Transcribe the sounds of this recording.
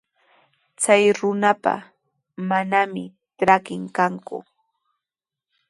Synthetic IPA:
t͡sajɾʊnapa̰ | manamɪ | ʈ͡ʂɾakɪŋkaŋkʊ̰

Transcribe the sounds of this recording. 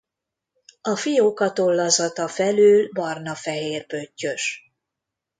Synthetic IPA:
ɒfijoːkɒt̪olːɒzɒt̪ɒfɛlyːlbɒrnɒfɛɦeːrpøcːø̞ʃ

